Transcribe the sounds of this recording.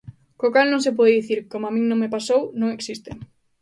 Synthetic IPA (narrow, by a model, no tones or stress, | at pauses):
kokalnõŋsep̬ɔðeðiθiɾkomoamĩŋnõŋmepasownõŋeksist̪ɪ